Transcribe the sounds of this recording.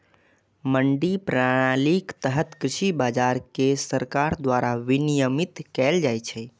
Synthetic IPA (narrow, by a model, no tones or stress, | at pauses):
məɳɖipɾaɽ̃alikt̪əɦət̪kɾiʃibad͡ʒaɾkesəɾkaɾd̪waɾaʋinijəmit̪kɛld͡ʒajt͡ʃʰɛ